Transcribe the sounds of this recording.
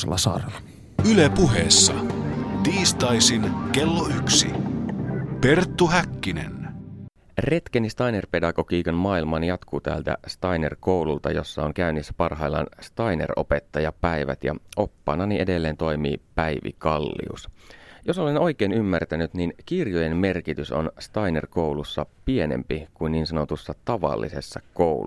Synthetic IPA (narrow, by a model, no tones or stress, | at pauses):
elːɑsɑ̰rlɑ | ylepuɦeːsːɑ̰t̪iːst̪ɑjsinkelːoyksḭ | pe̞rt̪ːuɦækːinḛn | ret̪k̟enist̪ɑjnerpe̞dɑkokiːkɑnmɑːilmɑːnjɑt̪kuːt̪æ̰ːlt̪æ̰st̪ɑjnerko̞wlult̪ɑ̰jo̞sːɑoŋkæynːisːæ̥pɑrɦɑilːɑ̰nst̪ɑjnḛro̞̰pe̞t̪ːɑjɑpæiʋæ̰t̪jɑ̰o̞pːɑ̰nɑniʔede̞lːeːnt̪o̞jmḭːpæjʋḭkɑlːḭṵsjo̞so̞le̞no̞jk̟eːnymːært̪ænyt̪ninkirjoje̞mme̞rkit̪yso̰nst̪ɑjnerko̞wlusːɑpie̞nḛmpikuinːiːnsɑno̞t̪usːɑt̪ɑʋɑ̰lːḭse̞sːɑkowl